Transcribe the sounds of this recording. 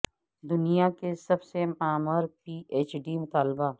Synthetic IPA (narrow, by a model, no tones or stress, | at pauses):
d̪ʊnijakesɐbsemaːməɾpiːʔeːt͡ʃɖimʊt̪aːlba